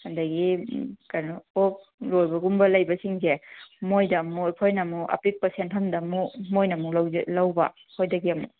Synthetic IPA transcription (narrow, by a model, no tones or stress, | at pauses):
hɐndɐɡikɐɾnuo | lojbɐɡumbɐlɐjbɐsiŋzemojdɐmojpʰojnɐmuɐ̰pik̚pɐɾsentʰɐmdɐmumojnɐmulawzlawbɐ̰ | pʰojdɐɡiɐmṵ